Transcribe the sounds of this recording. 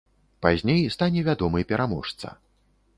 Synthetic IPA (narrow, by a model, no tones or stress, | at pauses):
pazʲnʲejst̪anʲɛvʲad̪ɔmɨpʲɛɾamɔ̰ʂt̪sɐ̰